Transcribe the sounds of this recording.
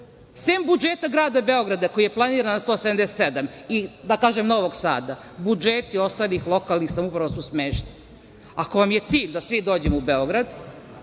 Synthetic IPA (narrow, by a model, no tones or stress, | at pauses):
sembud͡ʒeːt̪aɡɾaːd̪abe̞o̞ɡɾad̪eko̞jijeplˠaniːɾanast̪oːsed̪amd̪eset̪sed̪amid̪akaːʒemno̞ʋoɡsa̰ːd̪a | bud͡ʒet̪io̞st̪aːlixlˠo̞kalnixsamupɾaʋo̞susmeːʃni | ako̞ʋamje̞t̪siːʎd̪asʋid̪o̞ːd͡ʑemoubeo̞ɡɾad̪